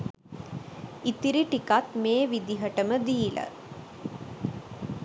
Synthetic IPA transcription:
it̪iɾiʈikat̪meːʋid̪iɦəʈəməd̪iːlə̰

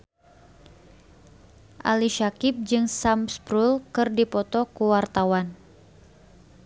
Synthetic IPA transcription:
ʔa̰liʃakɪp̚d͡ʒɨŋsamspɾulkɨrdipɔt̪ɔkuwart̪awan

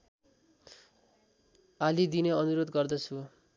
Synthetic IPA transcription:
alid̪inʌʌnuɾod̪ɡʌrd̪ʌt͡sʰu

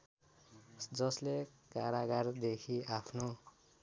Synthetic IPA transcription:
d͡zʌslekaɾaɡard̪ekʰiapʰno

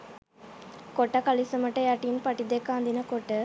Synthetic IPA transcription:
koʈɐkalisəməʈəjaʈinpɐʈid̪ekaːnd̪inəkoʈə

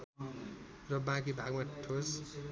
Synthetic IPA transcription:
rʌbãk̬ibʱaɡmaʈʰos

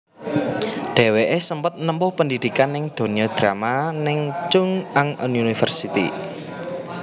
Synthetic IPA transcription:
ɖ̥e̤weʔesəmpət̪̚nəmpʊhpəndid̪̥i̤kanɪŋd̪̥o̤niɔd̪̥ɾamanɪŋt͡ʃʊŋaŋununifə̰rsit̪ḭ

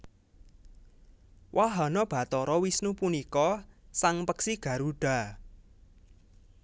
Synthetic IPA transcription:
wʔaɦanɔb̥ä̤t̪ɔɾɔwisnupunikɔsaŋpəksiɡ̥ä̤ɾuɖ̥a̤

